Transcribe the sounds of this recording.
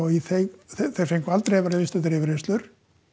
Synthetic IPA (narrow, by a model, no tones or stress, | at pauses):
ɔiθejɣθθejɾ̥fejŋkvalt̪ɾevaɾavɪst̪aðɾɪvɾest̪lʏɾ̥